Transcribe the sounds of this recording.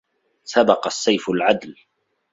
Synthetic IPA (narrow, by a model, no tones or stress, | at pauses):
sabɑqɑsːajfʊlʕad̪l